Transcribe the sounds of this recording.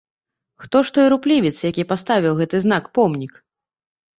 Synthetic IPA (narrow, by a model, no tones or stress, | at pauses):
xt̪ɔʂt̪ɔjɾuplʲivʲit̪sjakʲipast̪avʲiwɣɛt̪ɨzn̪akpɔmnʲik